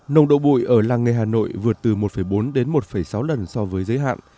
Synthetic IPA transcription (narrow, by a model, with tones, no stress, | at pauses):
nə˨˩ŋ͡mɗo̰˧˨ɓṵ˧˨jʔəː˧˩laː˧ŋə˨˩jɦaː˨˩no̰˧˨jvɨ˨˩ət̚t̪ɨ˨˩mo˨˩t̚fə˧˩jɓo˨˦nɗe˨˦nmo˨˩t̚fə˧˩jsa˨˦wlə˨˩nsɔ˧vəː˨˦jzəː˨˦jɦa̰ː˧˨nʔ